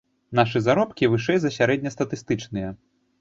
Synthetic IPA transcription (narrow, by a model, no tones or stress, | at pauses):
naʂɨzaɾɔpkʲivɨʂɛjzɐsʲaɾɛd̪ʲnʲɐst̪ɐt̪ɨst̪ɨt͡ʂnɨjɐ